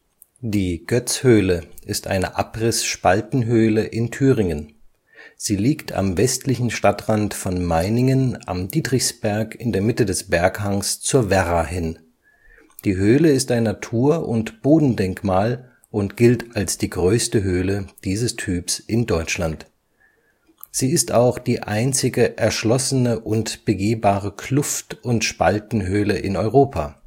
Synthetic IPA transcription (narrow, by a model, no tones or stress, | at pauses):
d̥iːɡ̥œt͡shøːləɪstʔa̰ɪnəʔapʁ̥ɪsʃpaltn̩ɦøːləʔɪntʰyːʁɪŋən | z̥iːliːktʰa̰mvɛstʰlɪçn̩ʃtatʁ̥antfɔnmaɪnɪŋəna̰mdiːtʁɪçsb̥ɛɐkɪndeːɐmɪtədɛsb̥ɛɐkhaŋst͡suːɐvɛʁahɪn | d̥iːɦøːləɪstaɪnːatʰuːɐʔʊntb̥oːdn̩dɛŋkmaːl | ʔʊntɡ̥ɪltalsd̥iːɡʁøːstəɦøːləd̥iːzəstʰyːpsʔɪndɔʏt͡ʃlant | z̥iːɪstaʊxd̥iːʔa̰ɪnt͡sɪɡəʔɛɐʃlɔsənəʔʊntb̥əɡeːbaːʁəkʰl̥ʊftʊntʃpaltn̩ɦøːləʔɪnɔʏʁoːpʰa